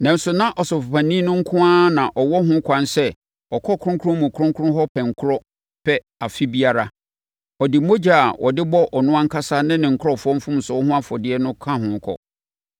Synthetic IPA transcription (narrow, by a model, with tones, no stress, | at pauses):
nã˨n̩˦sʊ˨nã˦ʔɔ˨sʊ˨fʊ˨pã˨nĩ˦nʊ̃˦ŋ̩˦kʰʊ̃˦aː˦nã˨ʔɔ˨wɔ˦ɦʊ̃˦kʰã˨n˦sɛ˦˨ | ɔ˨kʰɔ˦kʰʊ˦ɾʊ̃˦ŋkʰʊ˦ɾʊ̃˦mʊ̃˨kʰʊ˦ɾʊ̃˦ŋkʰʊ̃˦ɦɔ˦pʰɛ˨ŋ̩˨kʰʊ˦ɾɔ˦ | pʰɛ˦ | a˨fi˦bi˦a˨ɾa˦ | ɔ˨dɪ˨˦mo˦d͡ʑa˦˨a˨wɔ̰˨dɪ˦bɔ˦ʔɔ˨nʊ̃˦ã˦ŋ̩˦kʰa˦sa˦nɪ̃˦nɪ̃˨ŋ̩˨kʰʊ˦ɾɔ˨fɔ˦m̩˦fʊ̃˦m̩˨sʊ˨ɔ˦hʊ̃˦a˦fɔ˨dɪ˦ɛ˦nʊ̃˦kʰã˦ɦʊ̃˨˦kʰɔ̰˨